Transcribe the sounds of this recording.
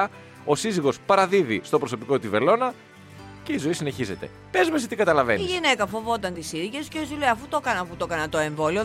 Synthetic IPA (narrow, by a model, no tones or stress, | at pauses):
ɐ | o̞siziɣo̞spɐɾɐðiðist̪o̞pɾoso̞piko̞t̪ive̞lo̞nɐ | ce̞izo̞isine̞çize̞t̪e̞̰ | pe̞zmes̬et̪ikɐt̪ɐlɐve̞̰niʝine̞kɐfo̞vo̞t̪ɐnt̪isiɾiʝe̞sceosileɐfut̪o̞kɐnɐfut̪o̞kɐnɐt̪o̞e̞ɱvo̞lio